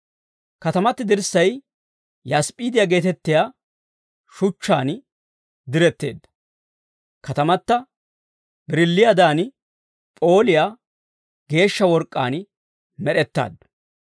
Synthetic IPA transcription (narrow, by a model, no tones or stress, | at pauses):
kɐt̪ɐmɐt̪ːɪd̪ɪɾsːɐj | jaspʼiːd̪ɪjaːɡe̞ːt̪ɛt̪ːɪjaː | ʃʊt͡ʃːaːn | d̪ɪɾɛt̪ːe̞ːd̪ːɐ̥ | kɐt̪ɐmɐt̪ːɐ | bɪɾɪlːɪjad̪aːn | pʼo̞ːlɪjaː | ɡe̞ːʃːɐwɔɾkʼːa̰ːn | mɛɗɛt̪ːa̰ːd̪ːɐ̥